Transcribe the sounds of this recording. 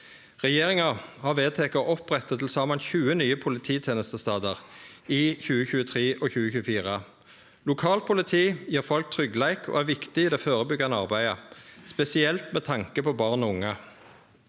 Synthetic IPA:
ʁɛjeːʁɪŋɑhɑʁʋeːd̪̚t̪ʰɛkːɔʔɔpʁɛt̪ːət̪ʰlsɑːmənçʉːənyːəpʰʊlɪt̪ʰiːt̪ʰjeːnəst̪əst̪ɑːd̪əʁiːçʉːəçʉːət̪ʰʁeːʔoːçʉːəçʉːəfiːʁə | lʊkʰɑːlt̪̚pʰʊlɪt̪ʰiːjiːʁfɔlk̚t̪ʰʁʏɡlæɪkʰo̰ːæʁʋɪkt̪ɪɪd̪ɛføːʁəbʏɡɑnəɑʁbæɪɑspɛsɪɛlt̪mɛt̪ʰɑŋkəpɔbɑːʁnɔʊŋːə

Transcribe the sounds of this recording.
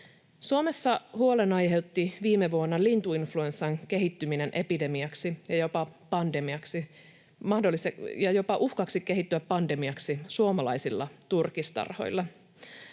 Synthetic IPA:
suome̞sːɑhuo̞le̞nɑjhe̞ut̪ːiʋiːmeʋuonːɑlint̪uinflue̞nsːɑŋke̞ɦit̪ːymine̞nʔe̞pide̞miɑksijɑjo̞pɑpɑnde̞miɑksi | mɑhdo̞lːisejɑjo̞pɑʔuhkɑksikːe̞ɦit̪ːyæppɑnde̞miɑksisuomɑlɑjsilːɑ̰t̪urkist̪ɑ̰rho̞̰jlːɑ

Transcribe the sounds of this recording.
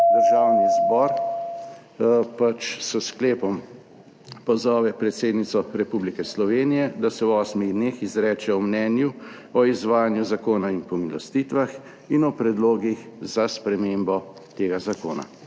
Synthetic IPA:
d̪̥əɾʒaːwnizbɔːɾ | pat͡ʃsəskleːpɔm | pɔzɔːʋɛpɾɛt̪seːd̪nit̪sɔɾɛpublikɛslɔʋeːnijɛd̪asɛwɔːsmiɣd̪neːxizɾɛːt͡ʃɛɔmnɛːnju | ɔizʋaːjanjuzakoːnainpɔmilɔst̪iːt̪ʋax | inɔpɾɛd̪loːɡixzaspɾɛmembɔ | t̪eːɡazakoːna̰

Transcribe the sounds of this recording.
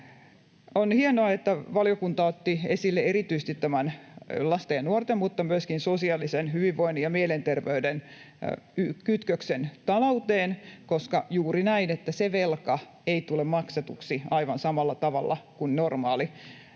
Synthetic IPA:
onhienoɑet̪ːæʋɑlijokunt̪ɑot̪ːiesilːeerit̪yis̆t̪it̪t̪æmænlɑst̪eːnuort̪emmut̪ːɑmyøskinsosiɑlisenhyʋiʋʋoinjɑmielent̪erʋeyden | ykyt̪køksent̪ɑlout̪eːnkoskɑjuːrinæinet̪ːæseʋelkɑ | eit̪ulemmɑkset̪ṵksiɑiʋɑnsɑmɑlːɑt̪ɑʋɑlːɑ̰kunnormɑ̰ːli

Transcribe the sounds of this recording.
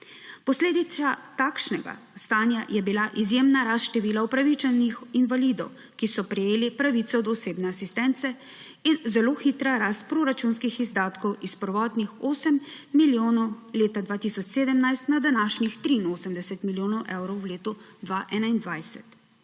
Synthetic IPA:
pɔsleːd̪it̪sat̪akʃnɛɡa̰ | st̪aːnjajɛbilaʔizjeːmnaɾast̪ʃt̪ɛʋiːlaupɾaʋit͡ʃɛnixinvaliːd̪ɔ̰w | kisɔpɾɛjeːlipɾaʋit̪sɔd̪ɔɔseːbnɛasist̪ɛnt̪sɛ | inzɛloːxit̪ɾaɾaːst̪̚pɾoːɾat͡ʃunskixizd̪aːt̪kɔwispəɾʋɔːt̪nixoːsɛmːiljoːnɔwleːt̪ad̪ʋaːt̪isɔt͡ʃseːd̪əmnajst̪nad̪anaːʃnixt̪ɾiːnoːsəmd̪ɛsɛt̪miljoːnɔwʔɛwɾɔwːleːt̪ɔd̪ʋaʔɛnaind̪ʋajsɛ̰t̪

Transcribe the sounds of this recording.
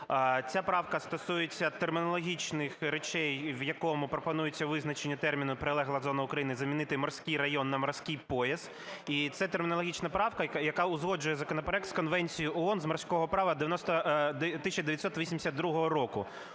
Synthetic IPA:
t͡sʲapɾɑwkɐst̪ɔsujet͡sʲːɐt̪ermʲɪnɐlˠɔɦʲit͡ʃnɪxɾet͡ʃɛjʋjɐkɔmʊpɾɔpɔnujɪt͡sʲːɐʋɪznɐt͡ʃenʲːɐt̪ɛrmʲɪnʊpɾelˠɛɦlˠɐzɔnɐʊkɾɐjinɪzɐmʲinɪt̪ɪmɐrsʲkʲijrɐjɔnːɐmɐrsʲkʲijpɔjɐs | it̪sɛt̪ermʲɪnlˠɦʲit͡ʃnɐpɾɑwkɐjɐkaʊzɦɔd͡ʒʊjɛzɐkɔnɔpɾɔɛkt̪skɔnʋɛnʲt͡sʲijʊʔɔɔnzmɐrsʲkɔɦɔpɾɑʋɐd̪eʋʲjɐnɔst̪ɔt̪ːisʲt͡ʃɐd̪eʋʲjtʲsʲɔt̪ʋʲisʲimd̪ɪsʲɐtd̪d̪ɾuɦɔɦɔɾɔkʊ

